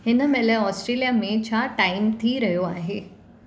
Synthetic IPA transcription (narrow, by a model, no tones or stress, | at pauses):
enəmɛleɔsʈɾelijamẽt͡ɕʰaʈaimt̪ʰiːɾəjoaɦe